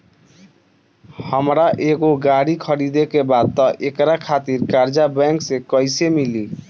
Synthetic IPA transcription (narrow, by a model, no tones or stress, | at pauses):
həmɾaʔeɡoɡaɽikʰəɾid̪ekebad̪̚t̪ɔʔekɾakʰat̪iɾkaɾd͡ʒabɛŋksekɔjsemili